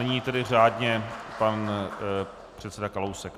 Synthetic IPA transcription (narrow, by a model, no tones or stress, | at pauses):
ɛɲiːt̪ɛdɪr̝aːdɲɛpan | pr̥ɛt̪sɛdakalowsɛk